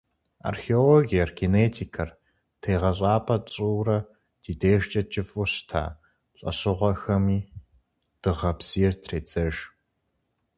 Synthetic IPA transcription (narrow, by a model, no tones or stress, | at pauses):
a̰rxeoloːɡijɐrɡeneːtʰiːkʰɐr | tʰeːʁɐɕʼaːpʰɐt͡sʼuːrɐ | d̥iːdeːʒt͡ʃʼɐt͡ʃʼɪfʼʊɕtʰa̰ː | ɬʼɐ̰ɕɨʁʷɔxɐmiː | d̥ɨʁɐpsiːɛrtʰreːt͡sʼɐʒ